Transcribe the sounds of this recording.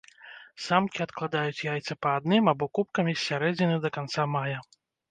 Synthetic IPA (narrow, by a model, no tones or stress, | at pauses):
samkʲiat̪klˠad̪ajut͡sʲjajt̪sɐpɐːd̪nɨmabɔkup̚kɐmʲisʲːaɾɛd͡zʲinɨd̪ɐkant̪samajɐ